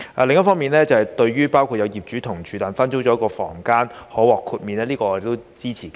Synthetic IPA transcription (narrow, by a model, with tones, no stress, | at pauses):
ʔɛ̰˨˧lɪ˨ŋɐ˥tfɔː˥ŋmiː˨nlɛː˥t͡sɐ˨whɐ˨jt̪ɵ˧ɥɥyː˥paː˥wkʰuː˨t̚jɐ˨˧wjiː˨p̚t͡ʃyː˨˥t̪ʰʊ˨˩ŋt͡ʃʰyː˨˧t̪aː˨nfɐ˥nt͡so˥wt͡ʃɔ˨˥kɔː˧fɔː˨˩ŋkaː˥nhɔː˨˥wɔː˨˩kʰːuː˧t̚miː˨˧nɛː˥liː˥kɔː˧ɔː˧ɾe˨kt̪wt͡siː˥t͡sʰiː˨˩ka˧˥